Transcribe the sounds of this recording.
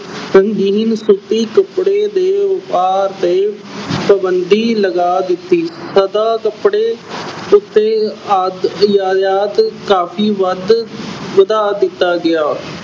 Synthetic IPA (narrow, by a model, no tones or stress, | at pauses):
səŋɡiːnsut̪iːkəpɽeːd̪eːʊpaːɾt̪eː | pəbənd̪iːləɡaːd̪ɪt̪ːiːsəd̪aːkəpɽeːʊt̪ːeːad̪jaːd̪aːd̪kaːpʰiːʋəd̪ʋəd̪aːd̪ɪt̪ːaːɡɪaː